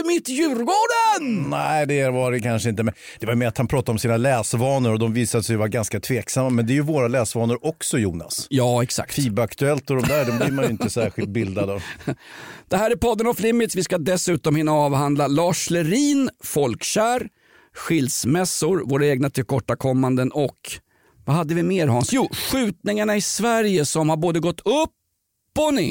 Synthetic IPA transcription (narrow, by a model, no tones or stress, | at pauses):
mɪt̪ːjʉ̟ːɾɡoːɖənnæɪd̪ɛvɑɾɛkʰanʂəɪnt̪əmɛnd̪̥ɛvaɾjʏmɛːɾat̪hanpʰɾɑːt̪ad̪ɔmsiːnalɛːsvɑːnəɾɔd̪ɔmviːsad̪əsɛjvaɾɡanskat̪ʰveːksamːamɛnd̪ɛːjɵvoːɾalɛːsvɑːnəɾʔɔksɔjuːna̰sjɑːɛksa̰ktfiːbakt̪ɵɛlt̪ɔd̪ɔmd̪æːɾd̪ɔmbd̪iːmanjʏɪnt̪əsæɾɧɪlt̪̚bɪld̪ad̪ə | d̪̥ɛhæːɾæɾpʰɔd̪ːənɔflɪmːɪt̪svɪskad̪ɛsʉ̟ːt̪ɔmhɪnːaɑːvhand̪lalɑːʂlɛɾiːnfɔlkɕæːɾ | ɧɪld̪smɛsːʊɾvoːɾaeːɡnat̪ʰɪlkʰɔʈːakʰɔmːand̪ənɔk | vahad̪ːəvɪmeːɾhɑːnsjuːɧʉ̟ːt̪nɪŋaɳaɪsvæɾjəsɔmhaɾboːd̪əɡɔt̪ːɵpː | ɔnɪ